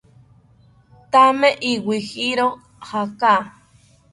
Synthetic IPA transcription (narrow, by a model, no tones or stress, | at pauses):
t̪ameʔiwihiɾo | haka